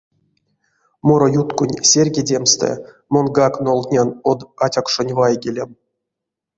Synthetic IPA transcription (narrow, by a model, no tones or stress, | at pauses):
moɾojut̪kunʲsʲerʲɡʲedʲemst̪ɛ̰ | monɡaknolˠt̪ʲnʲanod̪atʲakʂonʲvajɡʲelʲem